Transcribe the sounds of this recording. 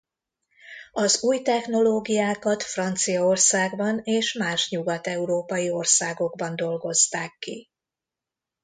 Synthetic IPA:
ɒzuːjt̪ɛxno̞loːɡijaːkɒt̪frɒnt̪sijɒo̞rsaːɡbɒneːʃmaːʃɲuɡɒt̪ɛuɾoːpɒjio̞rsaːɡo̞ɡbɒnd̪o̞lɡo̞zt̪aːkːḭ

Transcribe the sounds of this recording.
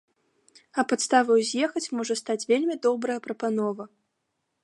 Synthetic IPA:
ɐpat̪st̪avɐwzʲjɛxɐt͡sʲmɔʐɐst̪at͡sʲvʲelʲmʲid̪ɔbɾɐjɐpɾɐpan̪ɔvɐ

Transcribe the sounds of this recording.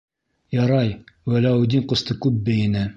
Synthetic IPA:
jɑɾɑjwælæud̪ʲiɴqŏst̪ɤkʉp̚bɘ̆jɘ̆nɘ

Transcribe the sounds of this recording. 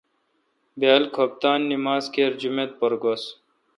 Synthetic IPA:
beːlkʰop̚t̪aːnːimaːzkʰeːɾd͡ʑumet̪̚poɾɡos

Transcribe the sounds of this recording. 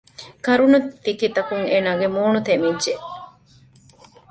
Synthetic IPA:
kɐɾunut̪ːikit̪ɐkuŋeːnaːɡemoːnut̪emid͡ʒe

